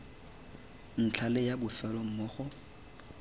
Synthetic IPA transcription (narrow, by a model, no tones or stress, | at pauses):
n̩t͡ɬʰalɪjabʊfɛlɔm̩moːχʊ